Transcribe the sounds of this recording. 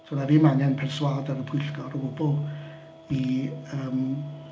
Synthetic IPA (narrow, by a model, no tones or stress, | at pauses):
tʰunaviːmaŋɛnpʰɛrswaːdəɾəpʰʊjɬɡ̥ɔɾəbʊbʊlˠ | iəːm